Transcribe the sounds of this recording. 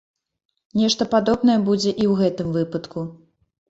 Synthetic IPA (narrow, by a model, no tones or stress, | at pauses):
nʲɛʂt̪ɐpad̪ɔbnɐjɛbud͡zʲɛʔiwɣɛt̪ɨmvɨpɐt̪ku